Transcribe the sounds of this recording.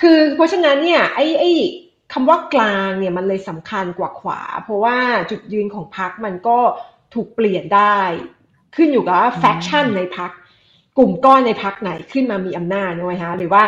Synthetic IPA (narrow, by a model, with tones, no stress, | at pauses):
kʰɯː˧pʰɾɔ˦˥t͡ɕʰa˧na˦˥nːi˥˩ɐʔa˥˩jʔa˥˩j | kʰa˧mwaː˥˩klaː˧ŋni˥˩ɐma˧nlɤː˧jsa˩˦mkʰa˧nkwaː˨˩kʰwa̰ː˩˦pʰɾɔ˦˥waː˥˩t͡ɕu˨˩t̪̚jɯ˧nkʰɔː˩˦ŋpʰa˦˥k̚ma˧nkɔː˥˩ | t̪ʰuː˨˩k̚pli˨˩əndaː˥˩j | kʰɯ˥˩njuː˨˩ka˨˩waː˥˩fɛː˦˥k̚t͡ɕʰa˥˩nːa˧jpʰa˦˥kː | u˨˩mkɔː˥˩na˧jpʰa˦˥k̚na˩˦jkʰɯ˥˩nmaː˧miː˧ʔa˧mnaː˥˩t̪̚nɔ˦˥˩ma˦˥jkʰa˦˥ʔɾɯː˩˦waː˥˩